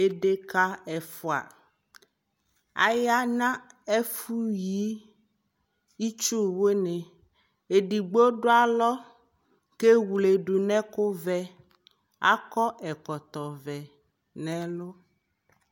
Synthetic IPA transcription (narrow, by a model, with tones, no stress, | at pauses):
e˦ɖe˦ka˦ɛ˨fɔ˨a̰˨ | a̰˨ja˦nã˦e˦fu˦ji˦ | i˦t͡ʃo˦wo˦nɛ̃˨ | e˨ɖi˨ɡ͡bo˦o˦ɖo˦a˦lɔ˦ | ke˦wu˨le˨ɖu˨nɛ̃˦ko˦vɛ˦ | a̰˦kɔ˦ʔɛ˨kɔ˨t̪ɔ˨vɛ˨ | nɛ̃˨lo˦